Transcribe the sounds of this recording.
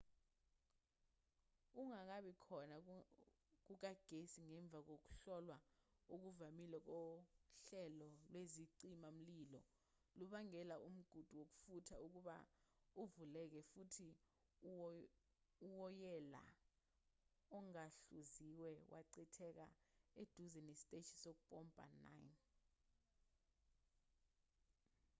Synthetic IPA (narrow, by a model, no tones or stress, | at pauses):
uŋak̬aɓikʰɔna | k̬uk̬aɡ̥ʱesiŋɛɱb̪vʱak̬ok̬u̥ɬɔlwauk̬uvamilak̬ɔɬɛlɔlweziǀimam̩lilɔ | luɓaŋɛlaum̩ɡ̥ʱud̥ʱuwok̬u̥futʰauk̬uɓa̰uvulɛk̬ɛfutʰi | uwɔjɛla̰ | ɔŋaɬuziwɛwʔa̰ǀitʰɛk̬a̰ed̥ʱuzɛnesi̥tʼet͡ʃʰi̥sok̬upʼɔmpʼa̰na̰jn